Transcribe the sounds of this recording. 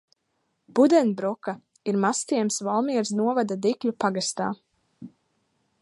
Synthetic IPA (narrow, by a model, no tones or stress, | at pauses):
b̥ud̪ɛnbɾɔka | iɾmast̪iɛmsvalˠmiɛɾsnuɔvad̪ad̪iklʲupaɡast̪aː